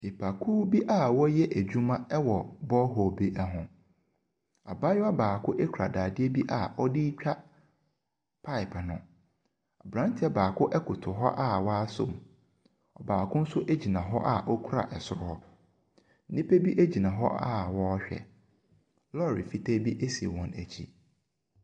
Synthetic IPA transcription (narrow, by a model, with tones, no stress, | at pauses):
e˨pʰa˨kʰu˦bi˦ʔa˦˨wɔ˦jɛ˦ʔæ˨d͡ʑᶣu˦mã˦ɛ˦wɔ˨bɔ˦ɦɔ˨be˨˦ʔɛ˦ɦʊ̃˨ | a˨ba˦jʊ˦a˦baː˨kʰʊ˦ʔe˦kʰu˨ɾa̰˨daː˨dɪ˦e˦bi˦ʔa˨ɔ˦dɪ˦t͡ɕᶣa˦ | pʰa˦ɪ˨pʰnʊ̃˨ | a˨bɾã˦n˦tʰɪ˦ɛ˦baː˨kʰʊ˦ʔɛ˦kʰʊ˨tʰʊ˨ɦɔ̰˦ʔa˦wa˦sʊ̰̃˦m˨ | ɔ˨baː˨kʰʊ̃˦n̩˦sʊ˦ʔe˦d͡ʑi˨nã˨ɦɔ˦ʔa˦ʔɔ˦kʰu˦ɾa̰˨ʔɛ˨sʊ˨ɾʊ˦hɔ˦ | n̩˦nĩ˦pe˦bi˦ʔe˦d͡ʑi˨nã˨ɦɔ̰˦ʔa˦˨wɔ˦ɕᶣɛ̰˨ | lɔ˦˨ɾi˨fi˦te˦bi˦ʔe˦si˨e˨wɔ̃˨næ˨t͡ɕʰḭ˦